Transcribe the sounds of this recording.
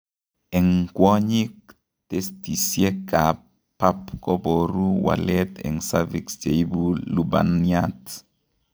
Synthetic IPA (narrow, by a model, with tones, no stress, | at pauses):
ɛ˨ŋkwɔ˦ɲi˦k̚ | te˦sti˨sje˦ka˨ | pa˦pkɔ˦bo˨ɾu˦wa̰˨lɛtɛ̰˨ŋsavi˨ksd͡ʒe˨ibulu˦ba̰˨niat